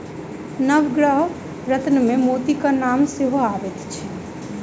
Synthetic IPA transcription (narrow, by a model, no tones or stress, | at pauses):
nəʋɡɽəɦ | ɾət̪nəmẽmoːt̪ikanaːmsɪɦoaːʋet̪t͡ʃʰi